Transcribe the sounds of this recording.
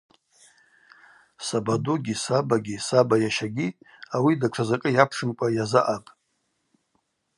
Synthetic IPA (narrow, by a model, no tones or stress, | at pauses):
sabaduɡʲisabaɡʲisabajaʃaɡʲiawidaʈ͡ʂʷʰazakʼɨjapʰʂɨmkʷʼajazaʔapʼ